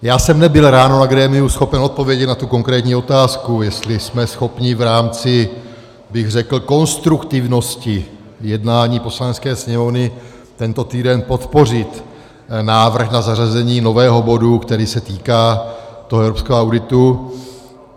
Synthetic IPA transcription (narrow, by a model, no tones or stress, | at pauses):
jaːsɛmnɛbɪlɾaːno̞naɡɾɛːmɪusxo̞pɛno̞t̪̚po̞vjɛɟɛt̪nat̪uko̞ŋkɾɛːt̪ɲiːo̞t̪aːskujɛst̪lɪsmɛsxo̞pɲɪvɾaːmt͡sɪ | bɪɣrɛkl̩ko̞nst̪ɾukt̪ɪvno̞scɪ | jɛdnaːɲiːpo̞slanɛskɛːsɲɛmo̞vnɪ | t̪ɛnt̪o̞t̪iːdɛnpo̞t̪po̞r̝ɪt̪ | naːvr̩xnazarazɛɲiːno̞vɛːɦo̞bo̞dukt̪ɛɾiːsɛt̪iːkaːt̪o̞ɦoɛvɾopskɛːɦoawdɪt̪u